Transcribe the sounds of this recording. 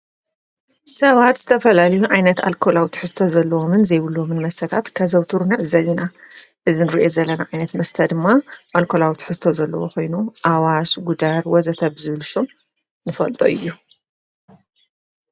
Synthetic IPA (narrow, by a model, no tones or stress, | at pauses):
sɐβat̪z̥ɨt̪ʰɐfɐlalɐjuʕajnɐt̪a̰lkʰo̞lawt̪ʰħɨzt̪ʰozɐlːɐwomɨnzɐjβɨlːomɨnmɐst̪ʰɐt̪ʰat̪kʰazɐwt̪ʰuɾunaʕzɐβina | ʔɨzinɨɾiʔozɐlːɐnaʕajnɐt̪mɐst̪ʰɐd̪ɨmːaʔalkʰo̞lawt̪ʰħɨst̪ʰozɐlːɐ̰woxo̞jnuʔawasɡud̪aɾwɔzɐt̪ʰɐβzɨβɨlsom | nɨfɐlt̪ʼo̰ʔɨjːu